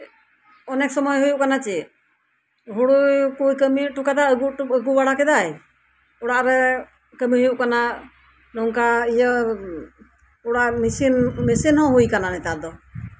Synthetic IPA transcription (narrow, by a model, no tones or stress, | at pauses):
ɔnɛksɔmɔjɦujuʔkanat͡ʃɛ | ɦuɽukujkəmiʈukad̪aɡuəɡubaɽakɛd̪aj | uɽaʔɾɛ | kəmiɦujuʔkana | nɔŋkaijə | uɽaʔmisinmisinhɔ̃ɦujkananɛt̪ad̪ɔ